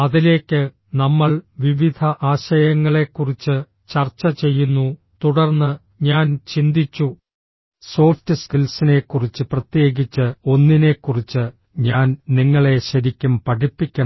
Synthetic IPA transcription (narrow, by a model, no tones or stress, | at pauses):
ɐðile̞ːkʲːɨ | nɐmːɐɭʋiʋid̪ʱɐʔaːɕɐjɐŋːɐɭe̞kːurit͡ɕːɨ | t͡ɕɐrt͡ɕːɐt͡ɕe̞jːunːu | t̪uɽɐrnːɨ | ɲaːnt͡ɕind̪it͡ɕːu | so̞ːftɨskilsine̞kːurit͡ɕːɨprɐt̪je̞ːɡit͡ɕːɨo̞nːine̞kːurit͡ɕːɨ | ɲaːnniŋːɐɭe̞ɕɐɾikʲːumpɐʈipːikʲːɐ